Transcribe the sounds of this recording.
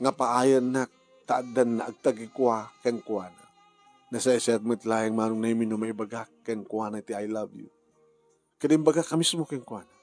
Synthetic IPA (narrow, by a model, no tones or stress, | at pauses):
ŋapaːjənak̚ | t̪adanːa̰ʔaɡ̚t̪aɡikuakeŋkuana | nasaisiat̪̚mət̪laɛŋmaɾuŋnaiminomaibaɡakːeŋkuanat̪iajlabjṵ | kədimbaɡakːamismokeŋkuana